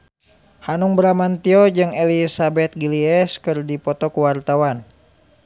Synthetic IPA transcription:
hanuŋbəɾamant̪iɔd͡ʒɨŋelisabɛt̪̚ɡiliɛskɨrdipɔt̪ɔkuwart̪awan

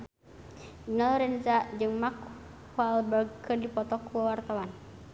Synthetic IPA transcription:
inɔlɾɛnzad͡ʒɨŋmak | halbərɡ̚kɨrdipɔt̪ɔkːuawart̪awan

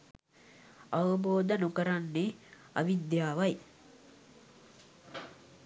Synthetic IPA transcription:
aʋɐboːd̪ənukəɾanːe | a̰ʋid̪jaːʋɐj

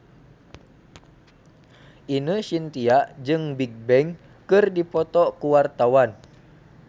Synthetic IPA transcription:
ʔinəsint̪iaʔd͡ʒɨŋbiɡ̚bɛŋ | kɨrdipɔt̪ɔkuwart̪awan

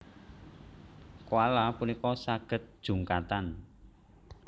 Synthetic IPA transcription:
kwalapunikɔsaɡ̥ə̤t̪̚d̥ʒ̥ṳŋkat̪an

